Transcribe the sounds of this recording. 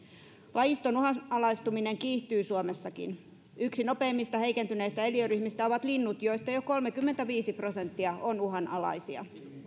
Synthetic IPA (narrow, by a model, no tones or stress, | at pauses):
lɑjist̪onuɦɑnɑlɑjst̪umine̞ŋkiːht̪yːsuome̞sːɑkḭn | yksino̞pe̞ːmːist̪ɑhe̞ijke̞nt̪yneist̪æe̞liøryçmist̪æo̞ʋɑt̪linːut̪jo̞jst̪ɑjoko̞lmekymːent̪æʋiːsipro̞se̞nt̪ːiɑʔo̞nuɦɑnɑlɑ̰jsiɑ̰